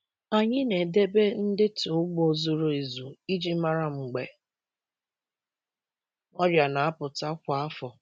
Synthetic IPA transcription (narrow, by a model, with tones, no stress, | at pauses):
a˨ɲɪ˦ne˨de˦be˦n̩˦dɪ˦to˨˦ɡ͡bo˦˨zʊ˦ɾo˨e˨zu˨i˦d͡ʒi˦ma˦ɾa˦m̩˨ɡ͡be˨ | ɔ˦ɾja˨na˨a˦pʊ˨ta˦kʷa˨a˦fɔ˨